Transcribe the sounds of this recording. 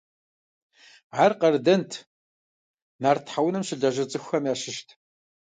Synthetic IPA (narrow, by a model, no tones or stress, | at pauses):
ʕaːrqɐrdɐntʰ | naːrtʰħawnɨmɕɪɮɐʒɐt͡sʼɨxʷɐmjaːʃɪʃtʰ